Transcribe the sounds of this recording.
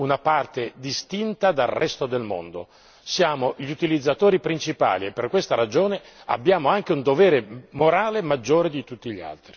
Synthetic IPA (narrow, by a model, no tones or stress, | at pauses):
unapart̪ed̪ist̪int̪ad̪alrɛst̪od̪elmo̰nd̪o | sjaːmoʎiut̪ilid̪zːat̪oːɾipɾint͡ʃipa̰ːliepːerkwest̪aɾad͡ʒoːne | a̰bːjaːmoaŋk̟eund̪ovɛːɾemoɾaːlemad͡ʒːoːɾed̪it̪ut̪ːiʎːia̰lt̪ɾi